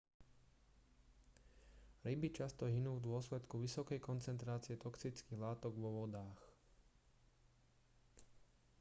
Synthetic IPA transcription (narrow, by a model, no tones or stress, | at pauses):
ɾibit͡ʃast̪ɔɦinuːvd̪ʊɔslɛt̪kuʋisɔkɛjkɔnt͡sɛnt̪ɾaːt͡siɪɛt̪ɔksit͡skiːɣlaːt̪ɔɡʋɔʋɔd̪aːx